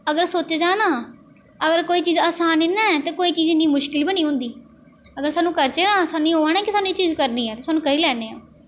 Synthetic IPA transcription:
əɡəɾsoːt͡ʃeːd͡ʒaːnaː | əɡəɾkoːiːt͡ʃiːzaːsaːnɪnːaːt̪eːkoːiːt͡ʃiːzɪnd̪iːmʊʃkɪlbinĩːɦʊ̃nd̪iː | əɡəɾsaːnːũːkəɾt͡ʃeːnãːsaːnũiːɦoːaːnɛːkɪsaːnũiːt͡ʃiːzkəɾniːɦɛːt̪eːsaːnũːkəɾiːlɛːneːaː

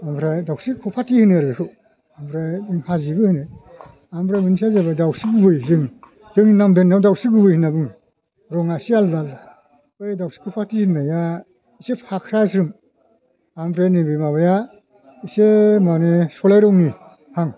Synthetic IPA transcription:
ampʰɾajdawsikʰupʰatihɯnɯaɾɡekʰɯw | ampʰɾajdɯŋpʰazibɯhɯnɯj | ampʰɾajmɯnisazabadawsiɡubɯjzɯŋ | zɯŋinamdenːawdawsiɡɯbɯjhɯnːabɯŋ | ɾɔŋasialːalːa | ɯjdawksi̥kʰupʰatihɯnːaja | isepʰakʰɾasɾɯm | ampʰɾajnebimaβaja | isemanesɔlajɾɔŋni | haŋ

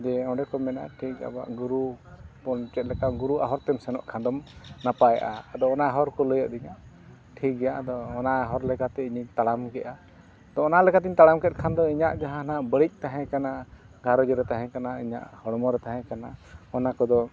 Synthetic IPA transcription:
d͡ʒɛɔ̃ɖɛkɔmɛna̰ʈʰik̚a̰ba̰ʔɡuɾupɔnt͡ʃɛt̪̚lɛkamɡuɾuaɦɔɾt̪ɛmsɛnɔ̰ʔkʰãd̪ɔmnapajʔa̰ːd̪ɔːnaɦɔɾkɔləjəʔd̪iɲaʔ | ʈʰik̚ɡɛjaʔad̪ɔːnaɦɔɾlɛkat̪ɛiɲiɲt̪aɽamɡɛʔa | t̪ɔːnalɛkat̪ɛiɲt̪aɽamkɛt̪̚ˀkʰand̪ɔiɲaʔd͡ʒaɦãnaʔbəɽic̚ˀt̪aɦɛ̃kana | ɡʱaɾɔɡɛɾɛt̪aɦɛ̃kanaiɲa̰ʔhɔɽɔmɔɾɛt̪aɦɛ̃kanaɔnakɔd̪ɔ

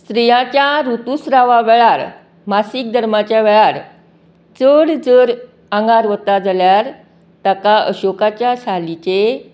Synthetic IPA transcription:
st̪ɾijãt͡ɕjaɾut̪usɾaʋaʋɛɭaɾ | masik̚d̪ʱəɾmat͡ɕjaʋɛɭaɾ | t͡səɽd͡zəɾ | ãŋɡaɾʋət̪ad͡zaljaɾ | t̪akaə̰ɕokat͡ɕjasalit͡ɕe

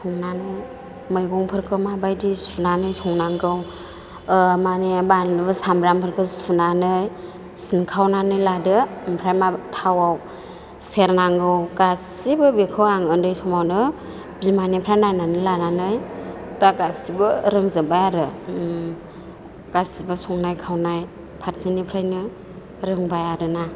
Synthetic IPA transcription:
sʰɔŋnanɯj | mɯjɡɔŋpʰɯɾkʰɯmabajdisunanɯjsɔŋnaŋɡɯw | manebanlɯbɯsambɾampʰɯɾkʰɯsunanɯj | sinkʰawnanɯjladɯmpʰɾajmatʰawaw | seɾnaŋɡɯwɡasibɯbekʰɯwaŋɯndɯjsɔmawnɯ | bimanipʰɾajnananɯlananɯj | ɡaɡasibɯɾɯŋzɯbajaɾɯ | ɡasibɯsɔŋnajkʰawnaj | pʰaɾsinipʰɾajnɯ | ɾɯŋbajaɾɯna

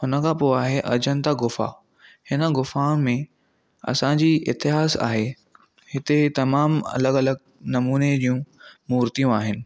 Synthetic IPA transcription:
ɦʊnəkʰãːpoːaːɦeʔɐd͡ʑənd̪aɡʊfa̰ | hɪnəɡʊfaːɽ̃mẽ | ɐ̰sãd͡ʑiːɪt̪ɪɦaːsa̰ːɦe | hɪt̪et̪ɐmaːmɐ̰ləɡɐləɡ̚ | nɐmuːned͡ʑiːjũmuːɾt̪ijũaːɦɪnɪ̆

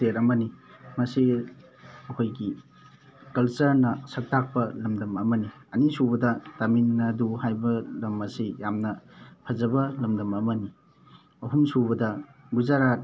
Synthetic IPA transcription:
teɾɐmɐnimɐsi | ɐkʰojɡi | kɐlsɐɾnɐsɐk̚tʰak̚pɐlɐmdɐmɐmɐniɐnisubɐdɐtaminːɐduhajbɐlɐmɐsijamnɐpʰɐzɐbɐlɐmdɐmɐmɐni | ɐɦumsubɐdɐ | ɡuzaɾat̚

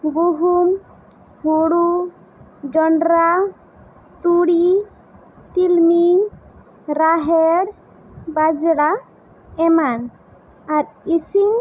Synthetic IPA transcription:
ɡuɦum | huɽu | d͡ʒɔɳɖɾa | t̪uɽi | t̪ilmi | ɾaɦɛɾ | bad͡ʒɽa | ɛman | aɾisiŋ

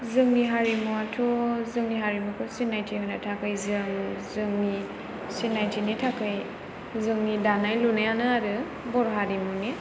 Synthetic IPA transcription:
zɯŋniɦaɾimuatʰɔzɯŋniɦaɾimukʰɯsinajtʰihojnatʰakɯjzɯŋzɯŋni | sinajtʰinitʰakʰɯj | zɯŋnidanajlunajanɯaɾɯ | bɔɾɦaɾimuni

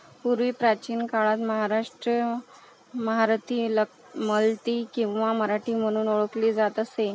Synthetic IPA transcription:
puɾʋiːpɾat͡ɕiːnkaɭat̪məɦaɾaʂʈɾə | məɦaɾt̪iːlə | məlt̪iːkĩw̃ʋaməɾaʈiːm̤əɽ̃uːnoɭəkliːd͡zat̪əse

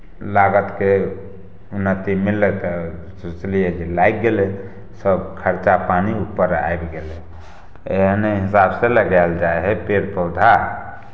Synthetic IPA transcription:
laɡət̪ke | unːət̪imilːɛt̪ɔ | suslijɛd͡ʒelajk̚ɡele | səbkʰəɾt͡ʃapaniupːəɾa̰jbɡele | eɦəneɦisabseləɡald͡ʒaeɦɛpeɾpəwd̪ʱa

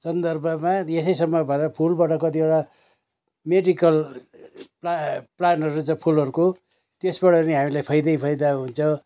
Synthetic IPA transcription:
sʌnd̪ʌrbʱʌmaesʌjsʌmːʌbʱʌnd̪apʰulbaʈʌkʌt̪ieɽa | meɖikʌl | paplanʌɾut͡sãpʰulʌɾuko | t̪esbʌɽʌniɦamilajpʰʌjd̪ʌjpʰʌjd̪aɦunt͡sʰʌ

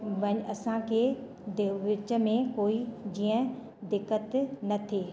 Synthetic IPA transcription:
ʋɐɲɐsãkʰe | d̪eʋɪt͡ɕə̆mẽkoːid͡ʑiːə̃ | d̪ɪkːət̪nɐt̪ʰeː

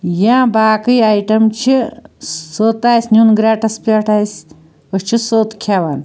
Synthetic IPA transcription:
jãːbaːkɨjaːjʈɐmt͡ʃʰi | soːt̪aːjsʲnʲjunɡɾaːʈɐspʲaʈʰaːjsʲ | ot͡ʃʰisoːt̪kʰaʋaːn

